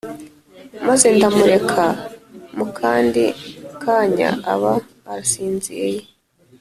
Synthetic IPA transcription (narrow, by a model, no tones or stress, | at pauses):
maze̞ndamuɾe̞kʰamukʰaːndḭkʰaːɲa̰ʔaβa | aɾasiːnziɾeje